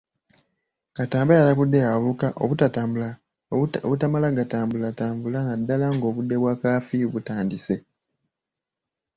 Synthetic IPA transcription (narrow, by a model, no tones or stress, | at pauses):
kataːmbajalakudːe̞aβukaʔoβutataːmbula | oβutamalaɡataːmbulataːmbulanadːalaŋɡo̞ːβudːe̞βwakaːfiβutaːndise̞